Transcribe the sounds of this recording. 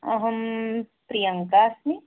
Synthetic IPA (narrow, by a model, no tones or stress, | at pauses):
ɐɦəmpɾijəŋkaːsni